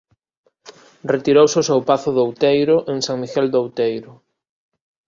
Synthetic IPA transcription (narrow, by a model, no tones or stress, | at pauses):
ret̪iɾowseʊsɛwpaθʊðowt̪ejɾʊʔeŋsãŋmiɣɛld̪owt̪ejɾʊ